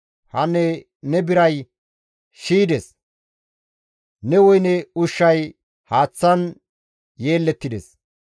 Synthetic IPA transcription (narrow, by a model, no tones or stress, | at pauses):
hɐnːɛ | nɛbɪɾɐj | ʃiːd̪ɛs | nɛwɔjnɛʊʃːɐj | haːt͡sːɐn | je̞ːlːɛt̪ːɪd̪ɛs